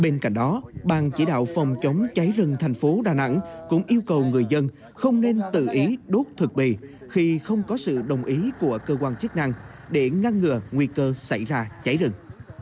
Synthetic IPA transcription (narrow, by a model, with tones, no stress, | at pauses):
ɓe˧nka̰˧˨jŋ̟ɗɔ˨˦ɓaː˨˩nt͡ɕḭ˧˩ɗa̰ː˧˨wfɔ˨˩wŋ͡mt͡ɕə˨˦wŋ͡mt͡ɕa˨˦jzɨ˨˩ŋt̪ʰa˨˩jŋ̟fo˨˦ɗaː˨˩na̰˧˥ŋkʊ̰˧˥ŋ͡mʔi˧əwkə˨˩wŋɨ˨˩əjzə˧n | xə˧wŋ͡mne˧nt̪ɨ̰˧˨ʔi˨˦ɗo˦˥t̚t̪ʰɨ˨˩k̚ɓḭ˧˨ | xi˧xə˧wŋ͡mkɔ˨˦sɨ̰˧˨ɗə˨˩wŋ͡mʔi˨˦ku˧˩əkəː˧kwaː˧nt͡ɕə˦˥k̚na˧ŋ | ɗe˧˩ŋa˧ŋːɨ˧˩əŋwi˧kəː˧sa˧˩jzaː˧t͡ɕa˨˦jzɨ˨˩ŋ